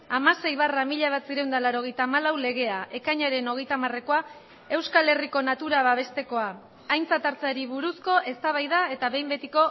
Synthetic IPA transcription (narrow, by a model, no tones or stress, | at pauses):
amase̞jβaramiʎaβ̞at̪siɾe̞wnd̪alaɾo̞ɣe̞jt̪aːmalawle̞ɣ̞e̞aʔe̞kaɲaɾe̞no̞ɣ̞e̞jt̪amare̞ko̞a | e̞wskale̞riko̞nat̪uɾaβaβ̞e̞st̪e̞ko̞aː | jnt͡sat̪aɾt͡saɾiβuɾusko̞ʔe̞st̪aβ̞ajðae̞t̪aβe̞jmbe̞t̪iko̞